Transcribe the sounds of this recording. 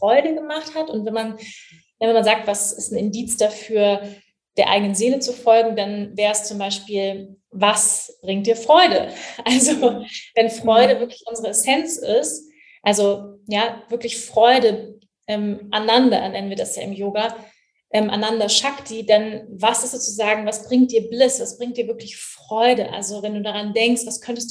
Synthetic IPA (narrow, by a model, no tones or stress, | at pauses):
fʁ̥ɔʏɾəɡəmaχthatʊntvɛnman | navɛnmanzaːk̚tv̥asɪstn̩ɪndiːt͡sd̥afyːɐ | d̥eːɐʔa̰ɪɡənənzeːlət͡sufɔlɡŋ̩danvɛːʁɛst͡sʊmbaɪʃpiːl | vasb̥ʁɪŋtd̥iːɐfʁ̥ɔʏdəʔalzovɛnfʁ̥ɔʏɾəvɪɐklɪçʔʊnzəʁəɛsɛnt͡sɪst | ʔalzojaːv̥ɪɐklɪçfʁ̥ɔʏdə | ʔɛːmʔanandɐ̰ʔɛnɛnənviːɐdasja̰ːɪmjoːɡa | ʔɛːmʔa̰nandɐʃakd̥iːdanvasɪstz̥ot͡suzaːɡŋ̩vasb̥ʁɪŋtd̥iːɐblɪsv̥asb̥ʁɪŋktd̥iːɐvɪɐklɪçfʁ̥ɔʏdəʔa̰lzovɛnduːdaʁandɛŋkstv̥askʰœntəstd̥